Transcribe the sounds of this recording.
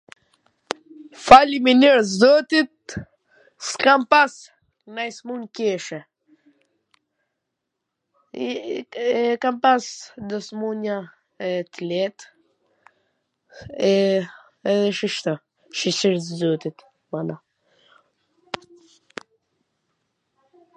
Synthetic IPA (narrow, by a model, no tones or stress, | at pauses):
faliminiɾzɔt̪it̪̚ | skampas | najsmunkɛʃɛ | kampasd̪ɔsmuna | ɛt̪əlɛt̪ | ɛ | ɛðɛʃiʃt̪a | ʃisiɾzɔt̪it̪ | mana